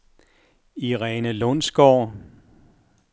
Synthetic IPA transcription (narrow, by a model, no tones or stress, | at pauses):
iʁɛːnəlɔnsɡ̥ɒ̰ː